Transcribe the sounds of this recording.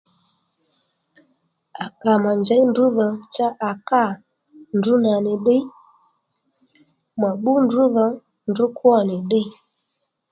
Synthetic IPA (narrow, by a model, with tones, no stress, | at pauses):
a˨ka˨ma˨ɲd͡ʒa˨˦jndu˨˦ðɔ˨t͡ʃa˦ʔa˨ka˦˨ | ndu˨˦na˨nɪ˨ɗɪ˦ | ma˨ɓu˦ndu˦ðɔ˧ | ndu˨˦kwɔ˦˨nɪ˨ɗɪ˦